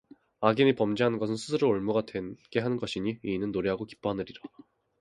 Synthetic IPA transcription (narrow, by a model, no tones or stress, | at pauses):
aɡinipʌmd͡ʑiɦanɯnɡʌs̬ʰɯnsʰusʰɯɾooɭmuɡadwe̞nɡ̥e̞ɦanɯnɡʌɕʰiɲiiːnɯnːoɾiɦaɡoki̥p͈oɦanɯɾiɾa